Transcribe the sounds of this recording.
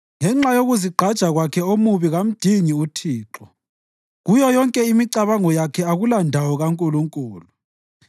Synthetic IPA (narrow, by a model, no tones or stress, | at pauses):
ŋɛŋ͡ǁajoɣuziɡ͡ǃʱad̥ʒ̥ʱaɣwakʰɛomuβiɣam̩d̥ʱiɲiutʰiːǁɔ | ɣujɔjɔŋkʼɛimiǃaβaŋɔjakʰɛaɣulandʱawɔɣaŋkʼuluŋkʼuːlu